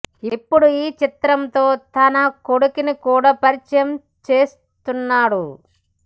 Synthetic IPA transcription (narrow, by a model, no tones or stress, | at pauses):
ipːuɽuiːt͡ʃit̪ɾɐnt̪o̞ːt̪ɐnɐko̞ɽukinikuːɽaːpɐɾit͡ʃɐjɐm | t͡ʃe̞ːs | t̪unːaːɽu